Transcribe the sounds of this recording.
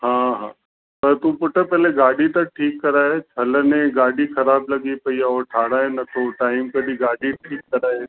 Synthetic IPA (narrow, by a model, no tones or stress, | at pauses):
ɦãːɦã̰ː | pɐɾt̪upʊʈʰəpɛːleɡaːɽit̪ɐk̚ʈʰiːkːɐɾaːet͡ʃʰɐlnẽɡaːɽixɐɾaːblɐɡipɐiaɔːɾʈʰaːɽaːenɐt̪ʰoʈaːɪmkɐɗiɡaːɽiʈʰiːkːɐɾaːe